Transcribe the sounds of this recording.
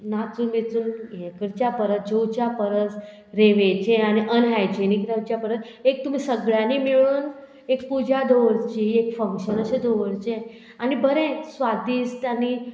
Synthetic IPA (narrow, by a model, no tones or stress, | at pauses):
nat͡suːmet͡suːnjekəɾt͡ɕjapəɾət̪̚d͡ʑowt͡ɕjapəɾət͡s | ɾeʋet͡ɕẽaniʔənɦajd͡ʑenikɾewt͡ɕjapəɾət̪ | ek̚t̪um̤iːsəɡɭjanimiɭuːn | ek̚pud͡ʑʱad̪oʋəɾt͡ɕiːekfəŋkɕənəɕed̪oʋəɾt͡ɕẽ | anibəɾẽsʋad̪iːst̪ani